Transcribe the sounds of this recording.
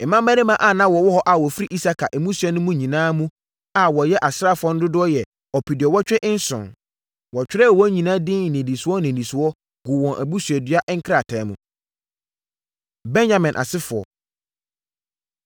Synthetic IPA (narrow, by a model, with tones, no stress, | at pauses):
ɛ˨mã˦mæ˦ɪ˦mã˦ʔa˨nã˦wɔ˨wɔ˦hɔ˦ʔa˨wɔ˨fi˦ɾi˦ʔi˦sa˦kʰa˨ʔɛ˨mũ˦su˨ɛ˦nʊ̃˦mũ˦ɲĩ˨nãː˦mũ˦ | a˨wɔ˨jɛ˦ʔa˨sɾa˦˨fʊ˨ɔ˦n˦dʊ˦dʊ˦ɔ˦jɛ˨ | ɔ˨pʰi˨dɪ˨ɔ˨wɔ˦t͡ɕᶣɛ˦ʔɪ˦n̩˦sʊ̰̃˨n | wɔ˨t͡ɕᶣɪ˦ɾɛ˦˨wɔ˦ɲĩ˨nã˦dɪ̃˦˨nɪ̃˨dĩ˨su˨˦ɔ˦nɪ̃˨nĩ˨su˨wɔ˦ | ɡʊ˨wɔ̃˨nʔæ˨bu˦sɥɛ˨dɥa˦ʔŋ̩˦kʰɾa˦˨tʰɛ˨˦mũ˨ | bɛ̃˦njã˦˨mɪ̃˨nʔa̰˨sɪ˦fʊ˨ɔ̰˨